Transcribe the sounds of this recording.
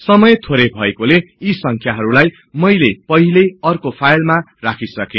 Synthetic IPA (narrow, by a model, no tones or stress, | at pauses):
sʌmʌjet̪ʰoɾebʱʌekole | isʌŋkʰjaɦʌɾulaj | mʌjlepʌɦileʌrkopʰajlma | rakʰisʌkẽ